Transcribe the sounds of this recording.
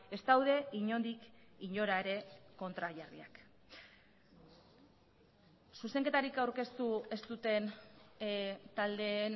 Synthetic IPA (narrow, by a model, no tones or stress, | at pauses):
e̞st̪awðe̞iɲo̞nd̪ikiɲo̞ɾaeɾe̞ko̞nt̪ɾaʝarḭa̰k | suse̞ŋke̞t̪aɾikawɾke̞st̪ue̞st̪ut̪e̞n | t̪ald̪e̞n